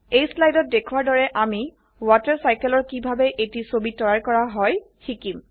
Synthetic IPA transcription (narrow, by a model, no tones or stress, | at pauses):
ejslajdɔt̚dekʰuwaɹdɔɹɛʔami | watɛɹsajkɛlɔɹkibʱabɛʔetisobitɔjaɹkɔɹaɦɔj | xʰikim